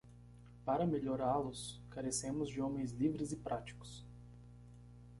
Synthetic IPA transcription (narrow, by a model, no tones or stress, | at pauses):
paɾɐmeʎoɾalʊskaɾesẽmʊzd͡ʒɪomẽj̃zlivɾɪzɪpɾat͡ʃi̥kʊ̥s